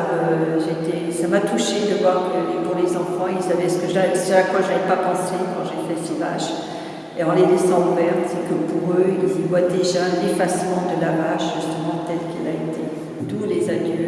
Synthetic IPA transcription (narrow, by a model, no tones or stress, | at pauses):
øʒet̪e | samat̪uʃed̪əvwaʁkəpuʁlezɑ̃fɑ̃ilsavɛsə̥kəʒasɛʃakfwaʒavɛpapɑ̃sekɑ̃ʒefɛsiva̰ʃ | eɑ̃led̪esɑ̃vɛʁsəkəpuʁøilivwad̪eʒãnefasmɑ̃d̪əlavaʃʒyst̪əmɑ̃t̪ɛlkilaet̪ʰe | t̪ulezanø